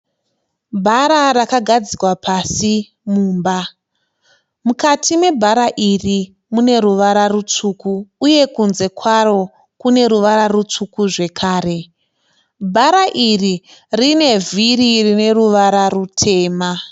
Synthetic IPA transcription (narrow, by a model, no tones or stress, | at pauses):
bʱaɾarakaɡʱad͡zikwapʰasi | muːmba | mukatʰimwe̞bʱaɾaʔiri | mune̞ɾuʋaɾarut͡ʂuːkuːje̞kunze̞kʰwaro̞ | kune̞ɾuʋaɾarut͡ʂukuʐe̞kʰaːɾe̞ | bʱaɾaʔiririne̞viririne̞ruʋaɾarutʰe̞ːma